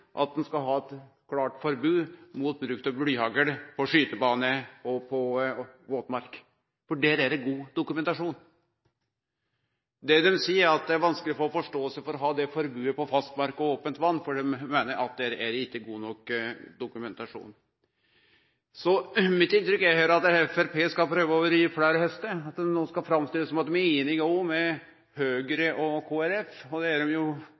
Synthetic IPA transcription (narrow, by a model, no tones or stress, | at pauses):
ʔɑ̰t̪̚d̪ɛnskɑlɦɑːɛt̪ | kʰlɑːʈfɔɾbʉːmʊt̪̚bɾʉkt̪ɑblyːhɑɡəɾpʰɔʂyːt̪əbɑːnəɔpʰɔʋoːt̪mɑɾk | fɔɖɛɾæɾɡuːd̪ʊkʉmɛnt̪ɑʂuːn | d̪ɛd̪ɛmsiːəɾɑt̪̚d̪ɛæɾʋɑnskəlɪfɔɾɔfɔʂʈoːɔlsəfɔɾɔɦɑːd̪ɛfɔɾbʉːəpɔfɑst̪mɑɾkɔoːpənt̪ʋɑnːfɔɖɛmːeːnəɾɑ̰t̪̚d̪ɛɾæɾɪkːəɡuːnɔkd̪ʊkʉmɛnt̪ɑʂṵːn | sɔmɪt̪ːɪnt̪ɾʏkːæɾhæːɾɑt̪ɛfæɾpʰeːskɑlpʰɾøːʋəoʋəɾiːfɽæːɾəhɛst̪əɑt̪̚d̪ɛmnoːskɑfɾɑmst̪ɪlːəsɔmɑt̪̚d̪ɛmɛnɪɡoːmɛ | høːɡəɾəʔɔkʰoːæɾɛfɔd̪ɛæɖɛmjʊ